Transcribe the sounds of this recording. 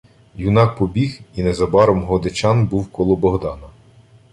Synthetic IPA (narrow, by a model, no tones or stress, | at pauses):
junɑk̚pɔbʲihinɛzɐbɑɾɔmɦɔd̪et͡ʃɑnbuwkɔlˠɔbɔɦd̪ɑnɐ